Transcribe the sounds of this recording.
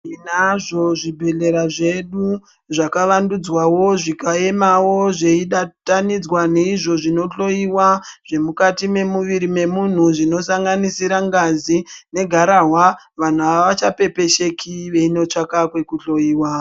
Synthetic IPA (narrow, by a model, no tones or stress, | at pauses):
inaʐo̞ʐibʱe̞ɮe̞ɾaʐe̞ɗu | ʐakaʋandud͡zwawo̞ʐikae̞mawo̞ʐe̞iɗatanid͡zwane̞iʐo̞ʐino̞ɬo̞iwaʐ̥e̞mukatime̞muʋiɾime̞mun̤uʐino̞saŋɡanisiɾaŋɡazine̞ɡʱaɾaɦwa | ʋan̤uaʋat͡ʃape̞pe̞ʃe̞kʰiʋe̞ino̞t͡ʂakakwe̞kuɬo̞iːwa